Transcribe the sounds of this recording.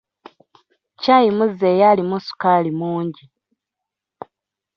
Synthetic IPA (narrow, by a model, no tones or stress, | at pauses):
caːjimuzeːjalimusu̥kaːlimuːɲɟi